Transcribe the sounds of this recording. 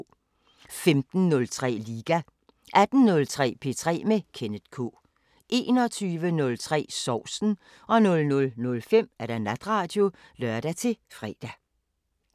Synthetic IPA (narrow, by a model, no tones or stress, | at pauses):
femd̥n̩nɔ̽lt͡sʰʁɛ̰ːliːɡ̥æ | ʔæd̥n̩ːɔ̽lt͡sʰʁɛ̰ːpʰe̝̰t͡sʰʁɛ̰ːmekʰenəð̥kʰo̰ː | ʔe̝ːnɒ̽t͡sʰyːʋənɔ̽lt͡sʰʁɛ̰ːsɒʊ̰sn̩ | ɒ̽nɔ̽lnɔ̽lnɔ̽lfem̰æɐd̥ænæd̥ʁɑ̈ːd̥jo̝lɶɐd̥æt͡sʰe̝fʁɛ̰ːd̥æ